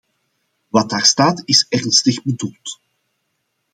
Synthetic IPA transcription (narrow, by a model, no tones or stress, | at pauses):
ʋɑt̚daːrstaːtɪsɛrnstəɣbədulˠt